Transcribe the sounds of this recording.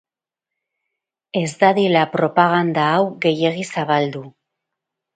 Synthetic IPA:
e̞zd̪aðilapɾo̞paɣ̞and̪aːwɣe̞je̞ɣisaβ̞ald̪u

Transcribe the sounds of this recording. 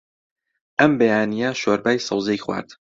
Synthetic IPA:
ʔɐmbejaːnijɐʃoɾbaːjsˤɑwzejxwa̰ːɾt̪

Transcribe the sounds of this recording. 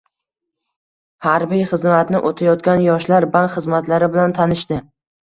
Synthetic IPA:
haɾbijχɨzmat̪nɪʔot̪ʰajɒt̪̚kʲanjɒʃlaɾbankχɨzmat̪ʰlaɾɪbɪlant̪ʰanɪʃt̪ɪ

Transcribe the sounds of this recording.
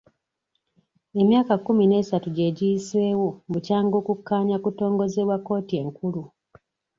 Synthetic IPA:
e̞mjaːkakːumine̞ːsatuɟe̞ɟiːswe̞wobucaːŋɡo̞ːkukːaːɲakuto̞ːŋɡo̞zeβwakːo̞ːtie̞ŋkulu

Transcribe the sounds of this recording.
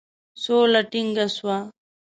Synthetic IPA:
soːlɐʈiŋɡɐswa

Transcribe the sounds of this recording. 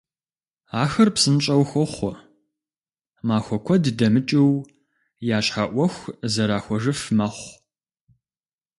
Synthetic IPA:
aːxɐrpsɨnt͡ʃʼɐwxʷɔχʷɔ | maːxʷɔkʷʰɔddɐmɨt͡ʃʼɪw | jaːɕħaʔʷɔxʷzɐɾaːxʷɔʐɨfmɐχʷ

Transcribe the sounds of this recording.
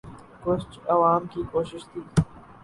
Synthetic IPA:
kʊt͡ʃɐʋaːmkiːkoːʃɪʃt̪ʰiː

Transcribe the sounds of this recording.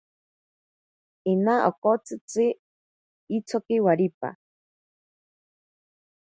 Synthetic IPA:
inaʔokot͡sɨt͡sɨ | it͡sʰokiwaɾipa̰

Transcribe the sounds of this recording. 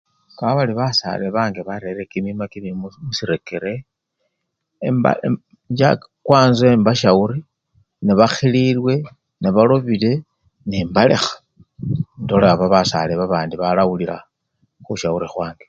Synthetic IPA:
kaaβaliβasa̰leβaːŋɡeβaɾeɾekimimakimimumusiɾe̞keɾe̞ | mba̰ | ɲd͡ʒakwaːnzwembaʃauɾi | niβaxililwe̞ | niβalo̞βile̞ | neːmbalḛxḁ | ndoleaβaβasa̰leβaβaːndiβalawuliɾa | xuʃauɾixwaːŋɡe

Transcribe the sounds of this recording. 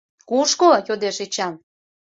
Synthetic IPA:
kuʃkojod̪eʃet͡ɕɑn

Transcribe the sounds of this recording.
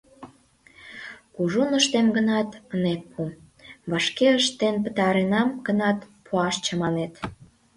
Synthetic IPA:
kuʒunəʃt̪emɡənɑt̪ənek̚pʰu | βɑʃkeəʃt̪enpət̪ɑɾenɑmɡənɑt̪pʰuɑʃt͡ɕəmɑnet̪

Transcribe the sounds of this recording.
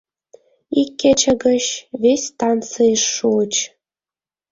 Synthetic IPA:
ikʲːet͡ɕə̆ɡə̆ɕβʲesʲt̪ɑnt͡sɨəʃːut͡ɕ

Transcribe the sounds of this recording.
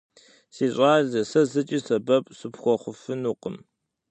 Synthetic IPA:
siːɕʼaːɮɐsɐzɨt͡ʃʼiːsɐbɐpʼsɨpxʷɔχʷʊfɨnuːqəm

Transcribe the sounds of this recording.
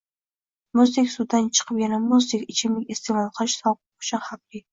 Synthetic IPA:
mʊzd̪ɪkʲsʊd̪ːant͡ʃʰɨ̥qʰɨpjanamʊzd̪ɪkʲɪt͡ʃʰɪmlɪkʲest̪emɑlˠqʰɑʃsɒq | ʊ̥t͡ʃʰʊnhab̚lɪ

